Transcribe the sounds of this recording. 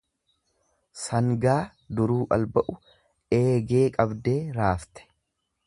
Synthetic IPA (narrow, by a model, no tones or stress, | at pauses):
sɐŋɡaː | d̪ʊɾuːʔɐ̰lbɐʔʊ | e̞ːɡe̞ːkʼɐbd̪e̞ːɾaːft̪ɛ̥